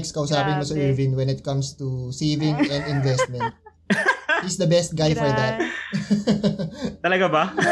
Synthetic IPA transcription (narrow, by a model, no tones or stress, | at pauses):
kskɐʊsaːpɪnmɐsɐʔɛɹvɪnwɛnɪt̪̚kɐ̃mst̪usiːvɪ̃ŋɛ̃nd̪ɪ̃nvɛst̪̚mɛnt̪̚ | hisd̪ɐbɛst̪̚ɡajfɔɹd̪ɐt̪̚ | t̪ɐlɐɡaba